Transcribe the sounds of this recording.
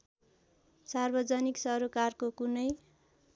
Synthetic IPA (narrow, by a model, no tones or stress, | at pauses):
sarbʌd͡zʌniksʌɾokarkokunʌj